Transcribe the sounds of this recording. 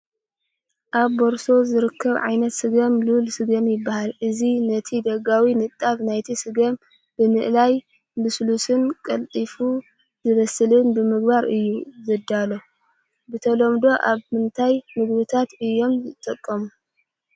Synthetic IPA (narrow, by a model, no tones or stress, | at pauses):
ʔaβːoɾso̞zɨɾɨkʰːɐβʕa̰jnɐt̪sɨɡɐmlulsɨɡɐmjɪbːahalʔɨzinɐt̪ʰid̪ɐɡawinɨt̪ʼːaβnajt̪ʰisɨɡɐm | b̥ɨmɨʔlaj | bɨslusɨnkʼɐlt̪ʼifu | zɨβɐsɨlɨnbɨmɨɡbaɾɨjːuzɨd̪alo | bɨt̪ʰɐlomd̪o̞ʔaβmɨnt̪ʰajmɨɡbɨt̪ʰat̪ɨjːo̞mjɨt̪ʼɐkʼːɐmu